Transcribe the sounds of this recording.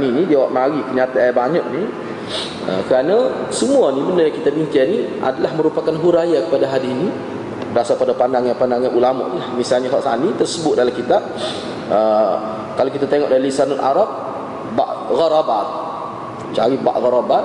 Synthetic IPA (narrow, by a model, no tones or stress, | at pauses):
ninidiawaʔmaɾipəɲat̪abaɲak̚ni | ə̰kəɾanasəmuanibənərjaŋkit̪abiɲkaniʔa̰dalahməɾupakanɦuɾajakə̥padaɦadiini | dasapadapandaŋaŋpandaŋanʔulama̰ʔnilahmisalɲaɦɔʔsa̰nit̪ərsəbʊt̪̚dalamkit̪a | ə | kalakit̪at̪eŋɔʔdailisanʊt̪ʔaɾap̚ | baʔɣaɾabat̪̚ | t͡ʃaɾiba̰ʔɣaɾabat